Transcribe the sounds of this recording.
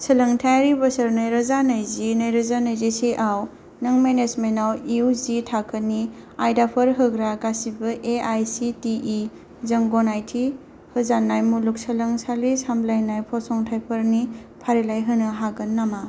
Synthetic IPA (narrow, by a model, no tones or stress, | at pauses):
sɐlɐŋtʰajɾibɐsɐɾnajɾɐzanajzinɐjɾɐzanajzesiʔaw | nɐŋmenezmenawiuzitʰakʰəniajdapʰɐɾɦɯɡɾaɡasibɐʔeajsitii | zɐŋɡonajtʰi | hɯzanːajmuluk̚sɐlɐŋsalisamblajnajpʰɔsɔŋtʰajpʰəɾni | pʰaɾilajɦɯnɯɦaɡɯnːama